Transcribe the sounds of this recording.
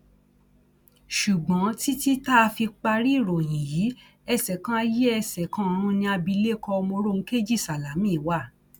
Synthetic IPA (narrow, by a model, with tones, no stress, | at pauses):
ʃu˨ɡ͡bɔ̃˨˦ti˦ti˦ta˦˧fi˧k͡pa˧ɾi˦˨ɾɔ˨j̃ĩ˨ji˨˦ | ɛ˧˨sɛ˨kã˦a˧je˦ɛ˧˨sɛ˨kã˨˦˨ɾ̃ũ˧˦nĩ˧a˧bi˧le˦kɔ˧mõ˧ɾo˦˧ŋ̩˦ke˦d͡ʒi˦˨sa˨la˨˦mĩ˦˨wa˦˨